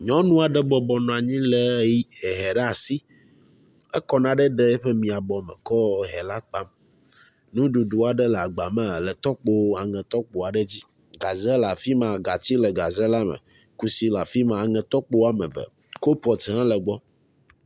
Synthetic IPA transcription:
ɲɔ̃˦nũ˦a˨ɖɛ˦ɡ͡bɔ˨bɔ˨nɔ̃˨a˨ɲĩ˦lɛ˦ji˦ɛ˨ɦɛ˨ɖɛ˦a˨si˦ | ɛ˦kɔ˦nã˦ɖɛ˦ɖɛ˦ɛ˦ɸe˦mĩ˨a˨bɔ˨mɛ̰̃˨kɔ˦ɦɛ˨la˦k͡pa˦m | nũ˦ɖu˨ɖu˦a˨ɖɛ˦lɛ˨a˨ɡ͡ba˨mɛ̃˨lɛ˨t̪ɔ˦k͡po˦a˨ŋɛ̃˨t̪ɔ˦k͡po˨a˨ɖɛ˦d͡ʑi˦ | ɡa˨zɛ˦la˨fi˦mã˨ɡa˨t̪i˦lɛ˨ɡa˨zɛ˦la˦mɛ̰̃˨ | ku˦si˦la˨fi˦mã˨a˨ŋɛ̃˨t̪ɔ˦k͡po˦a˦mɛ̰̃˨vɛ̰˨ | ko˦pɔ˨tɛ˨ã˦lɛ˨ɡ͡bɔ˦

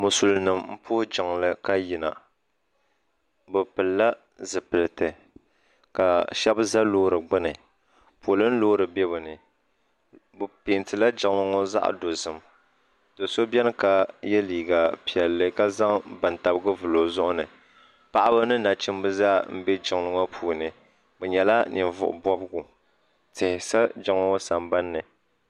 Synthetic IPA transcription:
mʊ˨su˨lnɨ˨mm̩˦pʰʊ˦hʊ˦d͡ʒɪ˨ŋlɨ˦ka˦ji˨na̰˨ | bɨ˨pɨ˨lla˦ | zɨ˨pɨ˨lɨ˨tɨ˨ | ka˨ʃɛ˦bza˦loː˦ɾɨ˨ɡ͡bɨ˦nɨ˨ | po˨lɨ˦n̩˦loː˦ɾɨ˨bɛ˦bɨ˨nɨ˨ | bɨ˨pe˨ntɨ˨la˦d͡ʒa˨ŋa˦ŋɔ˦za̰˦ʔa̰˨do˨zɨ˨m | do˨so˦bɛ˦nɨ˦ka˨jɛ˦liː˨ɡa˨pi˨ɛ˨lːɨ˦ka˦za˦ŋbɨ˨n˨ta˨bɨ˦ɡɨ˦vu˨lo˨zʊ˦ʔʊ˦nɨ˨ | pa˨ʔa˦bɨ˦nɨ˦na˨t͡ʃi˦mbɨ˦za˦m̩˦bɛ˦d͡ʒɪ˨ŋlɨ˦ŋɔ˦pʰuː˨nɨ˨ | bɛ˨ɲɛ˨la˦ni˨nvʊ̰˨ʔʊ̰˨bɔ˦bɡu˨ | tɪ˨hɪ˨sa˦d͡ʒɪ˨ŋlɔ˦sa˨mba˦nːɨ˨

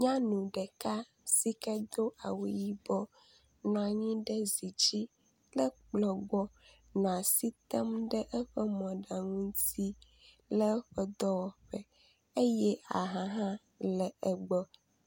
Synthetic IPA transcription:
ɲã˦nũ˨ɖɛ˨ka˦ | si˦kɛ˦d̪o˦ʔa˨wi˨ji˦bɔ˦ | nɔ̃˨a˨ɲĩ˦ɖɛ˦zi˨d͡ʑi˦ | lɛ˦k͡plɔ˨ɡ͡bɔ˦ | nɔ̃˨a˨si˦t̪ɛ˦mɖɛ˦ʔɛ˦ɸɛ˦mɔ̃˨ɖa˨ŋũ˦n˦t̪i˦ | lɛ˦ɸɛ˦d̪ɔ˦wɔ˨ɸɛ˨ | e˦jɛ˦a˨ɦã˨ɦã˦ | lɛ˨ɛ˨ɡ͡bɔ˦

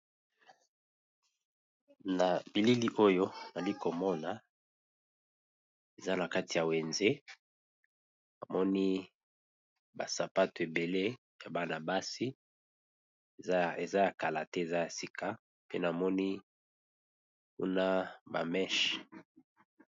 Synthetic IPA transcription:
na˨bi˨li˦li˦ʔo˦jo˦na˨li˦ko˨mɔ˦na˨ | e˨za˦na˨ka˦ti˨ja˨we˨nze˦ | na˨mɔ˦ni˦ | ba˨sa˨pa˦to˨e˨be˨le˦ | ja˨ba˨na˨ba˦si˦ | e˨za˦ja˨ka˨la˨tɛ˦e˨za˦ja˨si˦kʰa˦ | pe˦na˨mɔ˦ni˦ | kṵ˦na˦ba̰˨mɛ˦ʃ

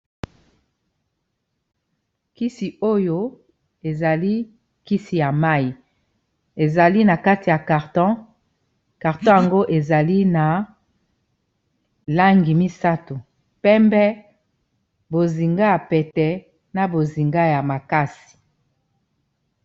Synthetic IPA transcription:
ki˦si˨o˦jo˦ | e˨za˨li˦ | ki˦si˨ja˨ma˦i˨ | e˨za˨li˦na˨ka˦ti˨ja˨ka˨ʁtɔ̃˦ | ka˨ʁtɔ̃˦ja˨ŋɡo˦ʔe˨za˨li˦na˨ | la˦ŋɡi˨mi˦sa˦to˨ | pɛ˦mbɛ˦ | bo˨zi˨ŋɡa˦ja˨pɛ˨tɛ˨ | na˨bo˨zi˨ŋɡa˦ja˨ma˨ka˦si̥˨

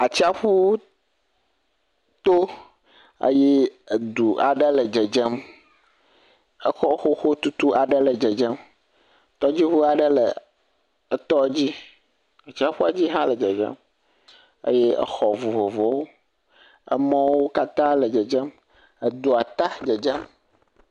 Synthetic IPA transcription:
a˨t͡ɕi˦a˦ɸu˦ | t̪o˦ | ə̰˦je˦ə˨d̪u˨a̰˨ɖə˦lə˨d͡ʒə˨d͡ʒə˦m | ə˦xɔ˦xo˦xo˦t̪u˦t̪u˦a˨ɖə˦lə˨d͡ʒə˨d͡ʒə˦m | t̪ɔ˦d͡ʑi˦ɸu˦a˨ɖə˦lə˨ | ə˦t̪ɔ˦d͡ʑi˦ | ə˨t͡ʃi˦a˦ɸu˦a˨d͡ʑi˦ɦã˦lə˨d͡ʒə˨d͡ʒə̰˦m | ə̰˦jɛ˦ə̰˦xɔ˨vo˨vo˨vɔ˨wo˦ | ə̰˦mɔ̃˦wo˦ka˦t̪ã˦lə˨d͡ʒə˨d͡ʒə˦m | ə˨d̪u˨a˨t̪a˦d͡ʒə˨d͡ʒə˦m

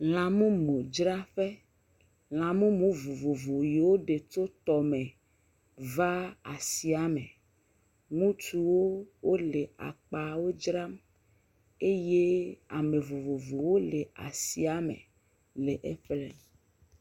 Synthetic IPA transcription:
l̃ã˨mũ˦mõ˨d͡ʒɾa˦ɸe˦ | l̃ã˨mũ˦mũ˨˦vo˨vo˨vo˨je˨wo˦ɖe˨t͡ʃo˦t̪ɔ˨mẽ˨ | va˦a˨si˨a˦me˨ | ŋũ˦t͡ʃu˦wo˦wo˦le˨a̰˨k͡pa˨wo˦d͡ʒɾa˦m | e˦je˦a̰˨me˨vo˨vo˨vo˨wo˦le˨a̰˨si˦a˦mḛ̃˨ | le˨ʔe˦ɸlɛ̰˦˨

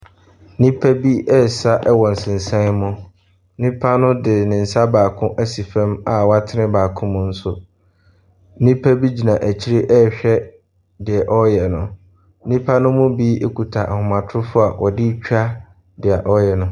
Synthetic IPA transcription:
nĩ˦pʰæ˦bi˦ʔɛ˦sa˦ʔɛ˦wɔ˨n̩˨sɪ̃˨n̩˨sã˦mʊ̃˦ | nĩ˦pʰa˦nʊ̃˦dɪ˨nɪ̃˨n̩˨sa˦baː˨kʰʊ̃˦ʔæ˦si˨fɛ̃˦ma˨wɔ˦a˦tʰɪ˦nɪ̃˦baː˨kʰʊ̃˦mʊ̃˦n̩˦sʊ˨˦ | nĩ˦pʰæ˦bi˦d͡ʑi˨nã˨ʔæ˨t͡ɕʰi˦ɾe˦ʔɛ˦ɕᶣɛ˦ | dɪ˨ɛ˨ʔɔ˦jɛ˨nʊ̃˨˦ | nĩ˦pʰa˦nʊ̃˦mʊ̃˦bi˦ʔe˦kʰu˨tʰa˨ʔa˨hʊ˨mã˨tʰɾʊ˦fʊ˦a˨wʔɔ˨dɪ˦t͡ɕᶣa˦ | dɪ˨a˨ʔɔ˦jɛ˨nʊ̃˨˦

